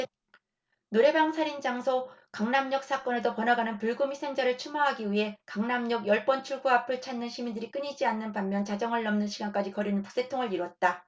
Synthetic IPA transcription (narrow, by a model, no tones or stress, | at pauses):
noɾe̞baŋsʰaɾind͡ʑaŋsʰokaŋnamɲʌk̚s͈ak͈ʌne̞dopʌnaɡanɯnpuɭɡomisʰeŋd͡ʑaɾɯɭt͡ɕʰumaɦaɡiɥiɦe̞kaŋnamɲʌɡjʌɭp͈ʌnt͡ɕʰuɭɡuapʰɯɭt͡ɕʰanːɯnɕʰimindɯɾik͈ɯɲid͡ʑianːɯnpammːjʌnt͡ɕad͡ʑʌŋɯɭːʌmnɯnɕʰiɡank͈ad͡ʑikʌɾinɯnpu̥k̚s͈ʰe̞tʰoŋɯɭiɾwʌt̚t͈a